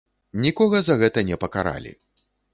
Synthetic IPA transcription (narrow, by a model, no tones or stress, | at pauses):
nʲikɔɣɐzɐɣɛt̪ɐnʲɛpɐkaɾa̰lʲḭ